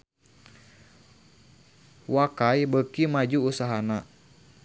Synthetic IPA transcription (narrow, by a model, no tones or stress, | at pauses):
wakajbəkimad͡ʒuːsaɦana